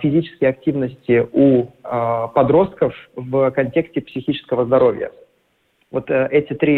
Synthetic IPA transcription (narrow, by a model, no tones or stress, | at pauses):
fʲɪzʲit͡ɕɪ̥skʲɪjɐk̚tʲivnəsʲtʲɪu | pɐd̪ɾo̞st̪̚kəfvkɐnʲtʲe̞ksʲtʲɪpsʲɪxʲit͡ɕɪ̥skəvəzd̪ɐɾo̞vʲjə̰ | vo̞t̪ʔɛtʲɪt̪ɾʲi